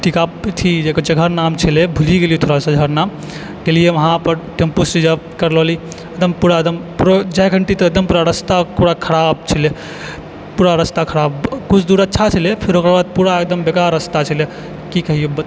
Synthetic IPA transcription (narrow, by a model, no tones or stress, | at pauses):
ʈʰikat̪ʰid͡ʒekəd͡ʒəɡʱəɾnamt͡ʃʰilebʱuliɡelijet̪ʰoɾasə̃ɡʱəɾnam | ɡelijemɐɦãpəɾʈempusid͡ʒa | kəɾlɔli | ɐd̪əmpuɾad̪əmpuɾd͡ʒajɡʱəɳʈet̪ɔək̚d̪əmpuɾaɾəst̪apuɾakʰəɾab̚t͡ʃʰile | puːɾaɾəst̪akʰəɾabkut͡ʃʰd̪uɾətːʃʰat͡ʃʰəlepʰeɾokɾbad̪̚puɾaek̚d̪əmbekaɾəst̪at͡ʃʰile | kikəɦijeb